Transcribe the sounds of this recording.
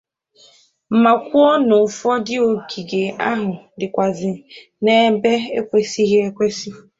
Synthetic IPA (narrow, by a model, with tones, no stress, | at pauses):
m̩˨ma˨kʷu˦ɔ˦no˨fɔ˦dɪ˦o˨ɡi˨ɡe˨a̰˦ɦʊ˨ | dɪ˨kʷa˨zɪ˨ | ne˦be˦e˦kʷe˨si˦ɣe˦e˦kʷe˦si˦